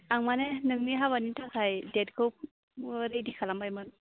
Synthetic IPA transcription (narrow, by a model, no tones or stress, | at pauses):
aŋmanenɯŋniɦaβanitʰakʰajdɛdkʰɯwp̚ | ɾejdikʰalambajmɯn